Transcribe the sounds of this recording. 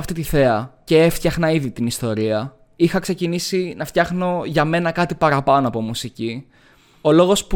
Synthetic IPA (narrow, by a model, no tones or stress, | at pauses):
ɐft̪it̪iθe̞ɐce̞eft̪çɐxnɐiðit̪inist̪o̞ɾiɐ | ixɐkse̞cinisinɐft̪çɐxno̞ʝɐme̞nɐkɐt̪ipɐɾɐpɐnoɐpo̞musici | o̞lo̞ɣo̞sp